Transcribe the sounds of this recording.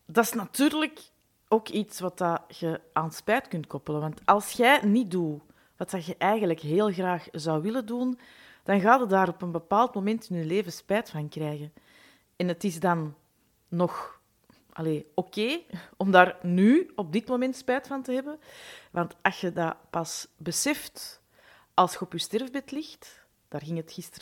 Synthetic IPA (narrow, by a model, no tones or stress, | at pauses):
dɑtsnɑtyːrlək | oːkitsʋɑtɑɣəʔaːnspɛːtkʏntkɔpələʋɑntɑlˠsxɛjnit̚du | ʋɑtɑɣəʔɛjɣənləkɦeːlˠɣraːxzɑwʋɪlədun | d̥ɑnɣaːdətdaːɾɔpənbəpaːlˠtmomɛntɪnyleːvəspɛːtfɑnkrɛːɣən | ɛnətɪzdɑnː | ɔx | ʔɑ̰leːoːkeːɔmdaːrnyɔb̚dɪtmomɛntspɛːtfɑntəɦɛbənʋɑntɑsxədapɑsbəsɛft | ʔɑlˠsxəɔpyːstɛrvbɛtlɪxt | d̥aːrɣɪŋɦətxɪstr